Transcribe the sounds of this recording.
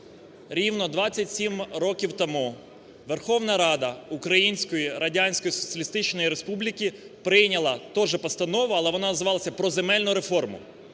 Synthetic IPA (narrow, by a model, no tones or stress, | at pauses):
ɾʲiwnɔd̪ʋɑt͡sʲːɐtʲsʲimɾɔkʲiwt̪ɐmu | ʋerxɔwnɐɾɑd̪ɐukɾɐjinʲsʲkɔjiɾɐdʲanʲsʲkɔjisɔ̥t͡sʲiɐlʲist̪ɪt͡ʃnɔjiɾespublʲikʲi | pɾɪjnʲɐlˠɐt̪ɔʒɛpɔst̪ɐnɔʋʊɐlˠɛʋɔnɑnɐzɪʋɑlˠɐsʲɐpɾɔzemɛlʲnʊɾe̞fɔrmʊ̰